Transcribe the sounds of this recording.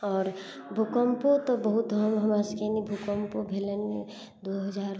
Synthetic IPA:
ɔːɾ | bʱukəmpot̪obəɦut̪ɦəmɦɐmaskenibʱukəmpobʱeləne | d̪oɦəd͡ʒaːɾ

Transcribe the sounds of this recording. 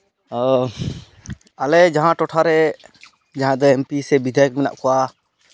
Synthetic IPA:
alɛd͡ʒaɦãʈɔʈʰaɾɛ | d͡ʒaɦãd̪ɔɛmpisɛbid̪ʱɛək̚mɛna̰ʔkɔwa

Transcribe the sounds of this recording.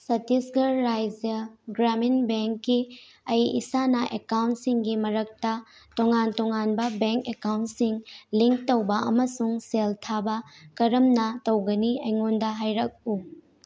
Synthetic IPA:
sɐtisɡɐɾːajd͡ʒɐɡɾaminbeŋkːi | ɐjḭsanɐʔekawntsiŋɡimɐɾɐk̚tɐ | toŋantoŋanbɐbeŋkekawnsiŋliŋk̚towbɐʔɐmɐsuŋseltʰabɐkɐɾɐmnɐtɐwɡɐniɐjŋondɐɦajɾɐk̚u

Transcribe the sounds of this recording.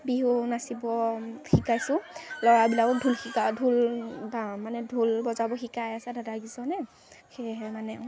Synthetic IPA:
biɦunasibɔxikajsʊ̃lɔɹabilakɔdʱulxikadʱulbamanɛdʱulbɔzabɔxikajasɛdʱadaɡisɔnɛ | xeɦɛmanɛ

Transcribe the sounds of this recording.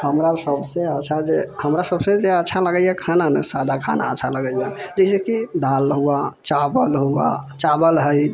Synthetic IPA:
həmɾasəbsẽət͡ʃʰad͡ʒehəmɾasəbsẽd͡ʒeətːʃʰaləɡəjakʰananɛsad̪ʱakʰa̰na̰əːt͡ʃʰaləɡəjjad͡ʒəɪsekid̪alɦuat͡ʃabəlɦua̰t͡ʃabəlɦəj

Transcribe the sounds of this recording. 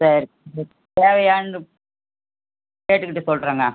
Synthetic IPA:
sɐɾɾ | ɐ | t̪eːʋɐaːɳɯ | keːʈːɯkːɪʈːɯsɔlɾaːŋɡaː

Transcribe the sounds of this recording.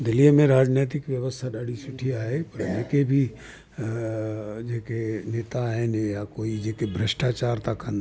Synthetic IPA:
d̪ɪlimẽɾaːd͡ʒneːt̪̬ɪkʋjəʋəst̪ʰad̪aːɽisʊʈʰijaɦɛpɐɾmeːkebʱi | d͡ʒeɦkeneːt̪aɦɛnejakoːid͡ʒeɦkebʱɾəʃʈaːt͡ʃaːɾt̪akːɐn

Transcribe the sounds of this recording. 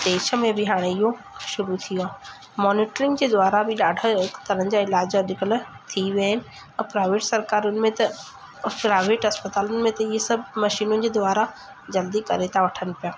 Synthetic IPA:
d̪̥eːʃə̆mẽbɪɦaːɽ̃eɪɦo | ʃʊɾut̪ʰijoaː | mɔːniːʈɾɪ̃ŋɡd͡ʑeːd̪ʊaːɾabɪɗaːɖʱəɦɪkt̪ɐɾə̃ɦə̃d͡ʑaːɪlaːd͡ʑɐɗɪkəl | t̪ʰiʋjaːɦɪnɪ̆ | ɛ̃pɾaːɪʋeːʈsɐɾkaːɾʊnɪ̆mẽt̪ɐ | pɾaːɪʋeːʈɦɐspət̪aːlʊnɪ̆mẽt̪ɐɪɦesɐbʱmɐʃiːnʊnɪ̆d͡ʑeːd̪ʊʋaːɾa | d͡ʑɐld̪ikɐɾet̪ʰaʋɐʈʰən̆pijaː

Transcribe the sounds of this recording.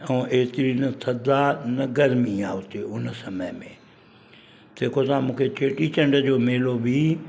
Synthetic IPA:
ɛ̃ːʔeːt̪ɪɾinɐt̪ʰɐd̪anɐɡəɾmiaːɦʊt̪eʊnsɐməjmẽ | t̪eːkot̪ãmũːkʰet͡ɕeːʈit͡ɕɐ̃ɳɖəd͡ʑoːmeːlobʱi

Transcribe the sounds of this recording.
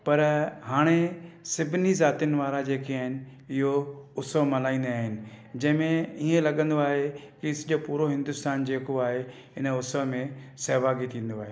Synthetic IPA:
pɐɾɦaːɽ̃esɪbʱɪnizaːt̪ijʊnɪ̆ʋaːɾad͡ʑeːkeaːɦɪnɪ̆ | ɪɦoʊsəʋmɐlaːĩːnd̪eaːɦɪnɪ̆d͡ʑɐ̃ɦɪ̃mẽiẽlɐɠə̃nd̪oaːɦekɪɪsʄopuːɾoɦɪ̃nd̪ʊst̪aːnd͡ʑeːkoaːɦe | ɪnə̆ʊsəʋmẽseːʋaːɡit̪ʰĩːn̆d̪oaːɦeː

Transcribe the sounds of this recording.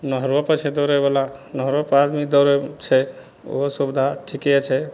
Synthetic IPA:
nɔɦɾɔpət͡ʃʰɛd̪ɔɾebalanɔɦɾɔpad̪mid̪ɔɾet͡ʃʰɛ | o̰ɦɔsubd̪ʱaʈʰikɛt͡ʃʰɛ

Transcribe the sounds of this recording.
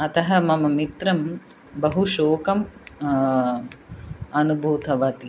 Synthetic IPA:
ɐt̪ɐɦɐ̆mɐmɐmit̪ɾɐm | bɐɦuʃoːkɐm | ɐnubʱuːt̪ɐʋɐt̪i

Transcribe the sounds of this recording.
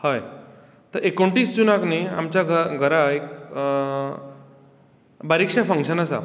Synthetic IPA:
həj | t̪əɾekoɳʈiːsd͡ʑunaknia̰mt͡ɕjaɡəɡʱəɾaek | baɾikʂafəŋkʂənasa̰

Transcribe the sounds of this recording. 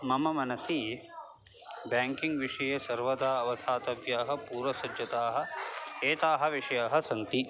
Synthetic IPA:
mɐmɐmɐnɐsi | baːŋkiŋɡʋiʂɐjɐsɐɾʋɐd̪aːɐʋɐsʰaːt̪ɐʋjaːɦɐ̆puːɾʋɐsɐd͡ʒjɐt̪aːɦɐ̆eːt̪aːɦɐ̆ʋiʂɐjaːɦɐ̆sɐnt̪i

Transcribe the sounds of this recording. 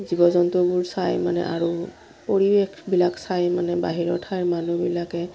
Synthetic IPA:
zibɔzɔntɔbʊɹsajmanɛ̰ʔaɹu | poɹibekʰbilaksajmanɛbaɦiɹɔtʰajɹmanubilakɛ

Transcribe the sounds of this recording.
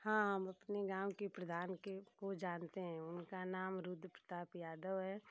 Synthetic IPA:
hãɦəmɐpneɡaːwkepɾəd̪ʱaːnkekod͡ʒaːnt̪eɦɛ̃ʊnkanaːmɾʊd̪ʱpɾət̪aːpjaːd̪əʋɦɛː

